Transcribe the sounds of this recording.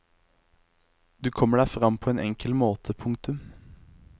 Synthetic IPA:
d̪ʉːkʰɔməɖæːfʁɑmpʰoːeːnʔɛŋkʰəlmoːt̪ʰəpʰʊŋt̪ʉm

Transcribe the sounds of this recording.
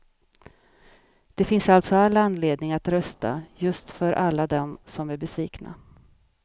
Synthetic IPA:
d̪̥ɛfɪnsalt̪sɔalːanːleːd̪nɪŋat̪ɾœst̪a̰jɵst̪fœɾʔalːad̪ɛmsɔmæɾbɛsviːkna̰

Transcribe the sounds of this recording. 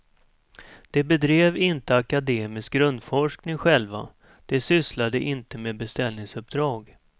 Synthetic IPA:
d̪̥ɛbɛd̪ɾeːvɪnt̪əakad̪eːmɪsk̚ɡɾɵnd̪fɔʂknɪŋɧɛlva̰ | d̪̥ɛsʏslad̪əʔɪnt̪əmeːbɛst̪ɛlnɪŋsɵp̚d̪ɾɑːɡ

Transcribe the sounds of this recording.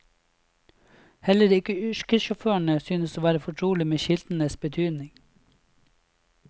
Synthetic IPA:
hɛləɾɪkəʏʃkəʃɔføːəɳəsyːnəsoːʋæːɾəfɔʈʰɾuːlɪmeːʃɪld̪n̩əsbət̪ʰyːd̪nɪŋ

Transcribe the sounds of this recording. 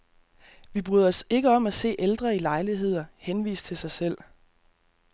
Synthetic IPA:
ʋib̥ʁyːðˠɐɒ̽se̝ɡ̥əɒ̽m̰æse̝̰ːʔeld̥ʁɐilɑ̈ɪliɦe̝ð̞̰ˠɐhenʋḭːs̚t͡sʰe̝lsɑ̈ɪsel̰

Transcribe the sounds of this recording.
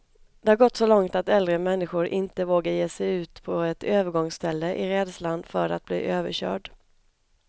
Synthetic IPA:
d̪̥ɛhaɾɡɔt̪ːsɔlɔŋt̪at̪ɛld̪ɾəmɛnːɪɧʊɾʔɪnt̪əvoːɡajeːsɛjʉ̟ːt̪pʰɔɛt̪ʰøːvəɾɡɔŋst̪ʰɛlːəʔɪɾɛːd̪slanfœɾa̰t̪̚b̥lḭːʔøːvə̰ɕœ̰ːɖ

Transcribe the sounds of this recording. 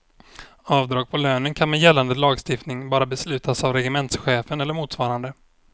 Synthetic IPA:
ɑːvd̪ɾɑːɡ̚pʰɔløːnənkʰanmɛjɛlːand̪əlɑːɡst̪ɪft̪nɪŋbɑːɾabɛslʉ̟ːt̪ʰasavɾɛɡɪmɛnt̪sɧeːfənɛlːəɾmuːt̪svɑːɾand̪ə

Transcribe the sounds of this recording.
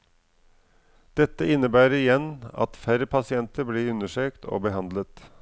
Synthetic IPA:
d̪̥ɛt̪əɪnːəbæːɾəɾɪjɛnɑ̰t̪fæɾəpʰɑsɪɛnt̪əbliːʉnəʂøːkt̪ʰo̰ːbəhɑnd̪lət̪

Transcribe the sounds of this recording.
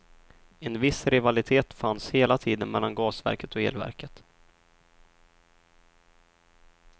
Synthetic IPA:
ɛnvɪsɾɪvalɪt̪ʰeːt̪fansheːlat̪ʰiːd̪ənmɛlːanɡɑːsvæ̰ɾkət̪ɔḛːlvæ̰ɾkət̪

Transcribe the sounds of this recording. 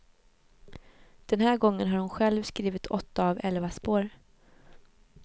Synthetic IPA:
d̪̥ɛnɦæːɾɡɔŋːənɦaɾhʊnɧɛlvskɾiːvɪt̪ʰɔt̪ːaːvɛlvaspoːɾ

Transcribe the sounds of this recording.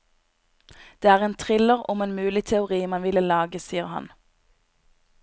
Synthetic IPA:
d̪̥eːæːʁeːnt̪ʰʁɪləʁʊmeːnmʉːlɪt̪ʰɛʊʁiːmɑnʋɪləlɑːɡəsiːəʁhɑ̰n

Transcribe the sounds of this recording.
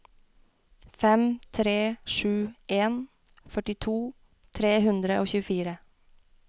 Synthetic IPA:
fɛmt̪ʰɾeːʃʉːʔeːn | fœʈɪt̪ʰuː | t̪ʰɾeːhʉnd̪ɾəʔoːçʉːfiːɾə

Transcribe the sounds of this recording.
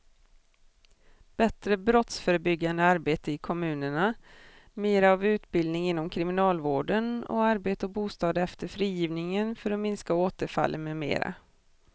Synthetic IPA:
b̥ɛt̪ɾəbɾɔt̪sfœːɾəbʏɡːand̪əaɾbeːt̪əɪkʰɔmʉ̟ːnəɳa | meːɾaavʉ̟ːt̪bɪld̪nɪŋɪnːɔmkʰɾɪmɪnɑːlvoːɖənɔ̰aɾbeːt̪əɔbuːst̪ɑːd̪ɛft̪əɾfɾiːjiːvnɪŋənfœɾɔmɪnskaoːt̪əɾfa̰lːʔənmemḛːɾa̰

